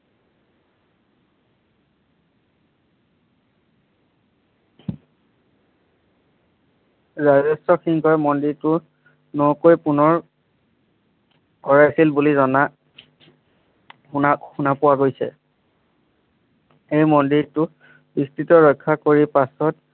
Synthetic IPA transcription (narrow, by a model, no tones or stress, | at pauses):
zazɔstɔxiŋkʰɔɹmɔndiɹtʊ | nokojpunɔɹ | kɔɹajsilbulizɔna | axunapʊwaɡojsɛ̰ | ejmɔndiɹtʊ | bistɹitɔɹɔjkʰːakoɹipasɔt